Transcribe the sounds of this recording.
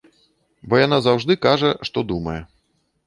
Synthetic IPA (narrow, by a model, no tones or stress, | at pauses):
bɔjanazawʐd̪ɨkaʐɐʂt̪ɔd̪umɐjɛ